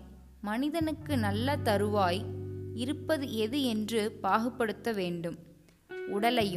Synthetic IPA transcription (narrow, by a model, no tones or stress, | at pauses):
mɐnɪðɐnɯkːɯnɐlːɐt̪ɐɾɯʋaːjɪɾɯpːɐðɯʔɛðɯɛndrɯpaːɣɯpːɐɽɯt̪ːɐʋeːɳɖɯm | ʊɽɐlɐjɯ